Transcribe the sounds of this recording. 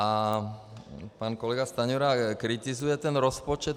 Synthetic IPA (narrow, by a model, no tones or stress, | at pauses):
a | paːnkɔlɛɡast̪aɲɔɾakɾit̪izujɛt̪ɛnɾɔspɔt͡ʃɛt̪